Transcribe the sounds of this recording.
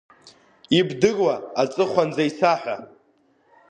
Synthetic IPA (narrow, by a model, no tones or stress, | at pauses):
ibdɨrwaːt͡sʼɨχʷand͡zaisaħʷᶣa